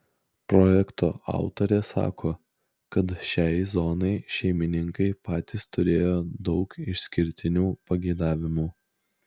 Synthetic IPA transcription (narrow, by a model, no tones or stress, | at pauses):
pɾɔjɛkt̪o̰ːʔɑ̰ˑʊt̪oɾʲeːsɑ̰ːkʰoː | kɐt̪ʃʲɛɪzɔːnɐɪʃʲɛɪmʲɪnʲɪŋkɐɪpɑːt̪ʲɪst̪ʊɾʲeːjoːd̪ɒʊkɪʃʲsʲkʲɪɾʲt̪ʲɪnʲuːpɐɡʲɛɪd̪ɑːʋʲɪmuː